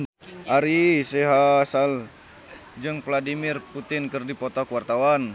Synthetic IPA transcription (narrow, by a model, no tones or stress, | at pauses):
ʔaɾisɛɦasal | d͡ʒɨŋpladimɪrput̪ɪnkɨrdipot̪akuwart̪awan